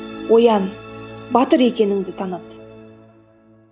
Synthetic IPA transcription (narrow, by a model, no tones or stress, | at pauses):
wo̞jɑnbɑt̪əɾe̞kʲe̞nɪŋd̪ɪt̪ʰɑnɑt̪